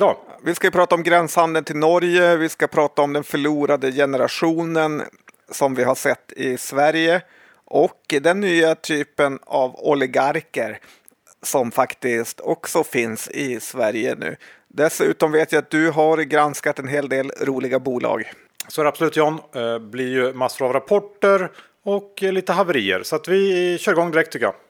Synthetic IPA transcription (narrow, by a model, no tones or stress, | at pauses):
d̪ɑːvɪskajɵpʰɾɑːt̪aɔmɡɾɛnshand̪ənt̪ɪlnɔɾjəvɪskapʰɾɑːt̪aɔmd̪ɛnfœɭuːɾad̪əjɛnəɾa̰ɧuːnən | sɔmvɪɦaʂɛt̪ːɪsvæɾjə | ʔɔkd̪ɛnːyːat̪ʰyːpənavɔlɪɡaɾkəɾ | sɔmfakt̪ɪst̪ʰɔksɔfɪnsɪsvæɾjə̰nʉ̟̰ː | d̪ɛsʉ̟ːt̪ɔmveːt̪jaat̪̚d̪ɵɦaɾɡɾanskat̪ɛnɦeːld̪eːlɾuːlɪɡabuːlʔɑ̰ːɡ | sɔæɾabsɔlʉːt̪jɔnblɪɾjɵmasːʊɾavɾapʰɔʈːəɾ | ɔkliːt̪əɦavəɾiːə̰ɾsɔat̪vɪɕœːɾɪɡɔŋd̪ɪɾɛkt̪ʰːʏkːja̰